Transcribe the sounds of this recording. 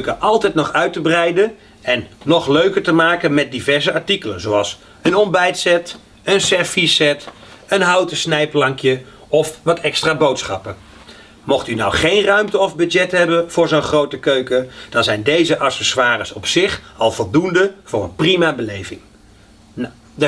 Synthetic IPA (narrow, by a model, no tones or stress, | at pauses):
kəʔɑlˠtɛjtnɔχœɥtəbrɛjdən | ɛnːɔχløɥkəɹtəmaːkənmɛt̚divɛɹzəɑɹtikələnzoɑlˠs | ənɔmbɛjtsɛt | ənsɛɹfisɛt | ənɦɑwtəsnɛjplɑŋkjə | ɔfʋɑtʰɛkstraːbowtsχɑpən | mɔχtynawχejnrœɥmtəɔvbɵdɛtɦɛbənv̥ʊːɹzownχrowtəkøɥkəd̥ɑnzɛjndejzəʔɑsəswaːrəsɔpsɪχɑlˠv̥ɔlˠdundəv̥ʊːrənprimabəlejvɪŋ